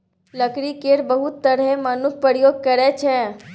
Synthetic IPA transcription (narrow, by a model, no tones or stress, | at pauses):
ləkɾikeːɾbəɦʊt̪ːəɽɦemənʊk̚pəɾjoːɡ̚kəɾɛt͡ʃʰɛ̃